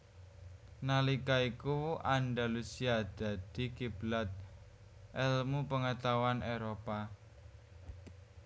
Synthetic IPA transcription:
nalikaikuanɖalusiad̪̥ä̤d̪̥i̤kib̥lat̪̚ | ʔɛlmupəŋət̪awanʔeɾopa

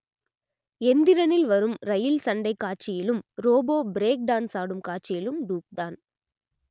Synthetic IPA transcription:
ɛnd̪ɪɾɐnɪlʋɐɾɯmɾɐjɪlsɐɳɖɐɪkːaːʈ̚t͡ʃɪjɪlɯmɾoːboːbɾeːk̚ɖaːnsaːɽɯmkaːʈ̚t͡ʃɪjɪlɯmɖuːk̚d̪aːn

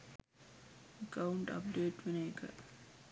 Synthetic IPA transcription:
əkauɳʈɐ̰p̚ɖeːʈʋeneːkə̰

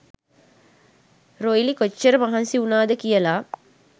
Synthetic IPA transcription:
roilikot͡ʃːəɾəmɐɦansiunaːd̪əkijəlaː

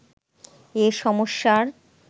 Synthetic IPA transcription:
eʃɔmoʃːaɾ

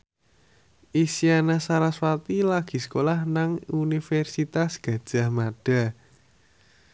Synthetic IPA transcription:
ʔisianasaɾaswat̪ilaɡ̥i̤sə̥kolahnaŋunifɛrsit̪asɡ̥ä̤d̥ʒ̥a̤hmaɖ̥a̤

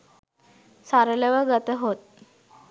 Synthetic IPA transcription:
saɾəleʋəɡət̪əɦot̪̚

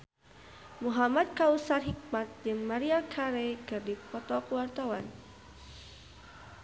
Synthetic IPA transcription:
muɦamad̪̚kausarɦik̚mat̪̚dɨŋmaɾiakʰaɾekɨrdipɔt̪ɔkuwart̪awan

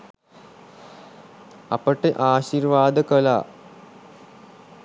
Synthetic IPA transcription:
ɐpəʈːeʔaːɕirʋaːd̪əkɐla̰ː

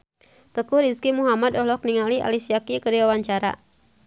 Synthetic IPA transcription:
t̪əkuɾiskimuɦamad̪ɔhɦlɔk̚niŋaliʔa̰lisiakikəɾwawaɲt͡ʃaɾa̰

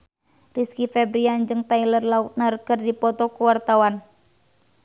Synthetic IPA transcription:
riskifɛbɾiand͡ʒɨŋt̪ailərlaut̪̚nərkərdipɔt̪ɔkuwart̪awan

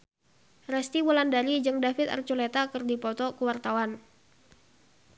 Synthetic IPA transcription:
rɛst̪iwulandaɾid͡ʒɨŋdafɪt̪a̰rt͡ʃulɛt̪akɨrdipɔt̪ɔkəwart̪awan

